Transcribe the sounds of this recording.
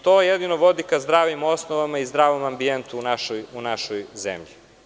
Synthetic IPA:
t̪oejed̪inoʋo̞d̪ikazd̪ɾaːʋimo̞snoʋamaizd̪ɾaːʋomambient̪uːnaʃojunaʃojzḛmʎi

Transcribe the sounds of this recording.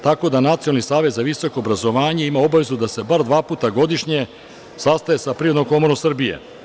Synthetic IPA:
t̪ako̞d̪anat̪siolnisaːʋe̞t̪zaʋiso̞ko̞ːbɾazo̞ʋaːɲe̞imao̞baʋe̞zud̪ase̞baɾd̪ʋaːpuːt̪aɡo̞d̪iʃɲe̞ | sast̪aje̞sapɾiːɾod̪nomko̞mo̞ɾomsr̩bijḛ

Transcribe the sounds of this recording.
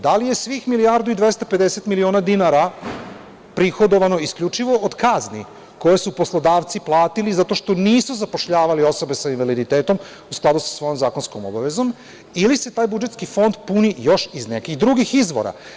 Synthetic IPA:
d̪alije̞sʋixmiliaɾd̪uid̪ʋest̪ape̞d̪eset̪milio̞ːnad̪inaɾa | pɾixod̪o̞ʋano̞iskʎʲut͡ʃiʋo̞od̪kaznḭ | ko̞je̞supo̞slˠod̪aːʋt̪siplˠaːt̪ilizat̪o̞ʃt̪o̞niːsuzapo̞ʃʎaːʋalio̞so̞be̞sainʋalid̪it̪eːt̪o̞m | usklˠad̪usḁsʋo̞jomzaːko̞nsko̞mo̰baʋe̞zo̞m | ilise̞t̪aːjbud͡ʒe̞t̪skifo̞nd̪punijo̞ʃizne̞kiɣd̪ɾuɡixizʋo̞̰ɾa̰

